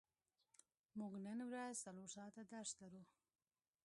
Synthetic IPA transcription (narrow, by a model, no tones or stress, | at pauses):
muɡnənwɾazsaloɾsɑt̪ad̪aɾʃt̪laɾu